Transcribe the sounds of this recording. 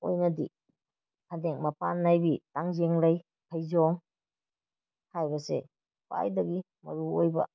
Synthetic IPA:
o̰jnɐdi | kʰaneŋmapanːajbitaŋzeŋlaj | pʰajzɔŋ | hajbɐsḛ | pa̰jdɐɡi | mɐ̰ɾuojbɐ̰

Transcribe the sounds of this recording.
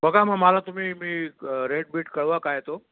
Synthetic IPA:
bəɡaməmalat̪um̤iːmiːɾeɽ̚biːʈkəɭʋakajet̪o

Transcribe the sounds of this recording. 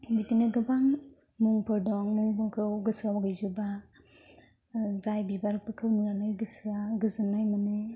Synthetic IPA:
bitinɯɡɯbaŋ | muŋpʰɯɾdɔŋmuŋpʰɔɾkʰɾɯwɡɯsɯawɡɯjzuba | zajbibaɾpɯkʰɯwnuɾanajɡɯsɯaɡɯzɯnːajmɯnɯ

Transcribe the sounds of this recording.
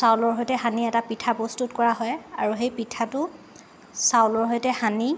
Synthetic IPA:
sawlɔɹɦojtɛhaniɛtapitʰapɹɔstutkɔɹaɦɔjaɹuxejpitʰatʊ | sawlɔɹɦojtɛhani

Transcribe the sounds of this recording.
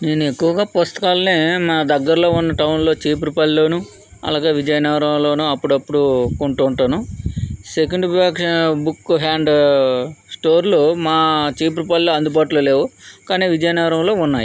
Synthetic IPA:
ne̞ːnue̞kːuʋɐɡaːpost̪ɐkaːlɐneːmaːd̪ɐɡːɐɾɐlo̞ːunːɐʈɐwnlo̞ːt͡ʃiːp̬ɾipɐlilo̞ːnu | ɐ̰laːɡeːʋid͡ʒɐjɐnɐʋɐɾɐwlo̞ːnuɐpːuɽɐpːuɽukoɳʈuːɳʈaːnuse̞kɐɳɖbaːkbukːɦaːɳɖ | sʈoːɾlumaːt͡ʃiːp̬ɾipɐlloːɐnd̪ubaːʈloːle̞ːʋukaːniːʋid͡ʒɐjɐnɐʋɐɾɐmlo̞ːunːaːji

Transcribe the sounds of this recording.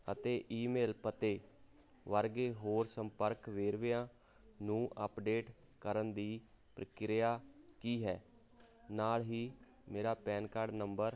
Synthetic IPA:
ə̰t̪eːʔiːmeːlpət̪eː | ʋəɾɡeːɦoːɾsəmpəɾkʋeːɾʋeːãː | nũːʔəpɖeːʈkəɾənd̪iːpɾəkɪɾɪjaːkiːɦɛ̰ː | naːlɦiː | meːɾaːpɛːnkaːɾɖnəmbəɾ

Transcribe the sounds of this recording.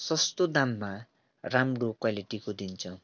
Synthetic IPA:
sʌst̪od̪amːa | ramrokwaliʈikod̪int͡sʰʌ̃

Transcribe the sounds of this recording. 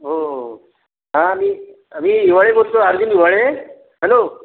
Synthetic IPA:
ɦoɦo | ɦãmiː | miːiʋaɭeɡolt̪oaɾd͡ʑiniʋaɭe | ɦɛlo

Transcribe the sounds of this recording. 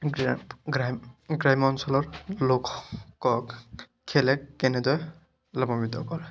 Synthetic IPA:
ɡɡɡɹajmɔnsɔlɔɹlokʰɔkɔk | kʰːɛlɛkkɛnɛdɔj | labamidɔ̰kɔɹɛ

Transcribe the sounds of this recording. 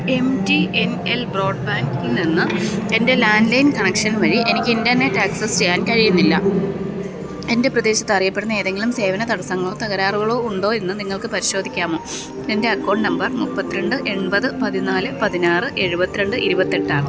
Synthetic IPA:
e̞mtien | elbro̞ːɖ̚baːŋkilninːɨe̞nde̞laːnlɐjnkɐɳekʂɐnʋɐɻiʔe̞nikʲːɨindɐrnetːaːksɐsɨd͡ʑejaːnkɐɻijunːilːɐ̰ | e̞nde̞prɐðe̞ːɕɐ̥t̪ːɐrijɐpːeɽunɐeːðeŋɡilumse̞ːʋɐnɐt̪ɐɽɐsɐŋːɐɭo̞ːt̪ɐɣɐɾaːruɣɐɭo̞ːuɳɖo̞ːe̞nːɨniŋːɐɭkɨpɐɾiɕo̞ːd̪ʱikʲːaːmo̞ː | ende̞ɐkːoːɳnɐmbɐrmupːɐt̪ːiɾe̞ɳɖɨʔe̞ɳbɐðɨpɐðinaːlɨpɐðinaːrɨʔe̞ɻubɐt̪ːiɾe̞ɳɖɨʔiɾubɐt̪ːeʈːaːrɨ

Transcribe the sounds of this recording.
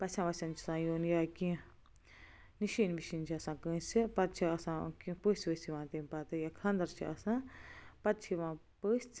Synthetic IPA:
pɐt͡ʃʰãːʋɐsʲɐ̃nt͡ʃʰi̥sãːjoːnjakĩ | niʃiːnbiʃint͡ʃʰiɐsãːkɨ̃ːt͡sipɐt̪̚t͡ʃʰiɐsãːkĩpɨːst͡sʋəsiʋãːnt̪empɐt̪ɨjakʰɐ̃nd̪ɐɾt͡ʃʰiʔɐsãpɐt̪̚t͡ʃʰiʋãː | pɨːst͡sʰ

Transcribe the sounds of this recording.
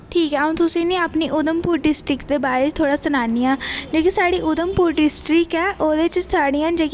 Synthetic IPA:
ʈʰiːkɛːʊ̃nt̪ʊsĩːneːəpniʔʊd̪əmpuːɾɖɪsʈɾɪkd̪eːbaːɾeːt͡ʃt̪ʰoːɽaːsənaːniãːd͡ʒeːkisaːɽiːʔʊd̪əmpuːɾɖɪsʈɾɪkɛːʔoːd̪eːt͡ʃsaːɽiːãːd͡ʒəɡ

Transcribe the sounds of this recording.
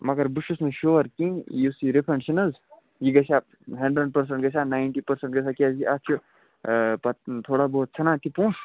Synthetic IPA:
mɐɡɐɾbuʃusnɨʃoːʋɐɾkĩjisiɾepʰɾɐ̃ɳɖt͡ʃɐnɐz | jiɡɐt͡ʃʰaː | ɦɐɳɖɾəɖ̚pɐɾs̬ɐɳʈɡɐt͡ʃʰaːnaːjɳʈipɐɾsɐ̃ɳʈɡɐsakiaziʔat͡ʃʰu | pɐt̪t̪ʰoːɽaboːt̪̚t͡sʰɐnãːt̪ipũːs

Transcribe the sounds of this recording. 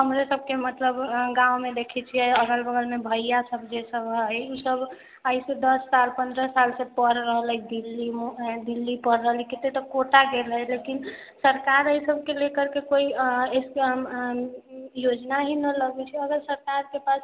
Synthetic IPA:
ɦəmɾesəb̚ʱkemət̪ləbɡaumed̪ekʰɛt͡ʃʰiɛəɡəlbəɡəlmebʱəjjasəbd͡ʒesəbəjusəb | aised̪əsːalpə̃nd̪ɾəsalsepəɾːəɦələjd̪ilːimd̪ilːipəɾːəɦəlikit̪et̪ɔkoʈaɡelɦəjlekin | səɾkaɾəisəbʱkelekəɾkekoieskeə | jod͡ʒnaɦinələɡɛt͡ʃʰiəɡəɾsəɾkaɾkepas

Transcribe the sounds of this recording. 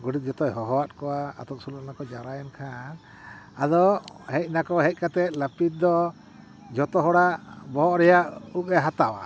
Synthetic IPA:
ɡuɖit̪̚d͡ʒɔt̪ɔjɦɔɦɔwat̪̚kɔwaa̰t̪ɔt̪̚sulɔʔnakɔd͡ʒaɾajankʰan | ad̪ɔhɛc̚ˀnakɔɦɛc̚ˀkat̪ɛt̪̚lapit̪̚d̪ɔ | d͡ʒɔt̪ɔɦɔɽaʔbɔɔʔɾɛjaʔup̚ɛɦat̪awa̰

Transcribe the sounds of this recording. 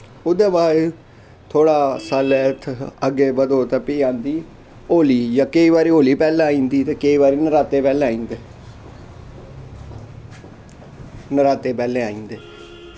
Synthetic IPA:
ʊd̪ẽːʋaː | t̪ʰoːɽaːsalɛːt̪ʰəɡeːbəd̪oːt̪eːpiːãːnd̪iː | oːliːjaːkeiːʋaːɾiːoːliːpɛːleːaːĩːnd̪iːt̪eːkeiːʋaːɾiːnəɾaːt̪eːpɛːleaːĩːnd̪eː | nəɾaːt̪eːpɛːlẽːaːĩːnd̪eː

